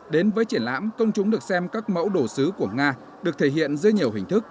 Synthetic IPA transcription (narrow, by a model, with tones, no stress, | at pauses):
ɗe˨˦nvəː˨˦jt͡ɕi˧˩ənla̰ː˧˥mkə˧wŋ͡mt͡ɕʊ˨˦ŋ͡mɗɨ˨˩ək̚sɛ˧mkaː˦˥k̚mə̰˧˥wɗo˧˩sɨ˨˦ku˧˩əŋaː˧ | ɗɨ˨˩ək̚t̪ʰe˧˩ɦḭ˧˨ənzɨ˧əɲi˨˩əwhɦï˨˩ŋ̟t̪ʰɨ˦˥k̚